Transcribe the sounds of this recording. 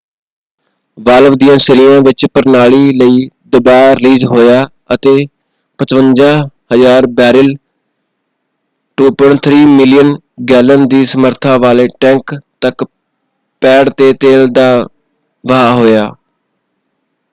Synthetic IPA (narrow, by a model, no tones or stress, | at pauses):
ʋaːləʋd̪ijãːsɪɾɪjãːʋɪt͡ʃpəɾnaːɭiːləiːd̪ʊbaːɾɪliːzɦoːjaː | ət̪eː | pət͡ʃʋənd͡ʒãːhəzaːɾbɛːɾɪl | ʈuːpɔɳʈt̪ʰɾiːmɪlɪjən | ɡɛːlənd̪iːsəməɾt̪ʰãːʋaːleːʈɛ̃ːŋkt̪ək | pɛːɽt̪eːt̪eːld̪aː | ʋəɦaːɦoːjaː